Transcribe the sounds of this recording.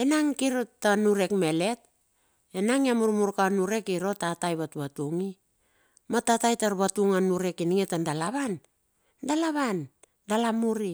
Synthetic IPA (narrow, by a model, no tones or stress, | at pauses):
e̞naŋkiɾotanuɾe̞kme̞le̞t | e̞naŋiamuɾmuɾkanuɾe̞kiɾo̞tatajβatβatuŋi | matatajtaɾβatuŋanuɾe̞kiniŋetandalaβan | dalaβan | dalamuɾi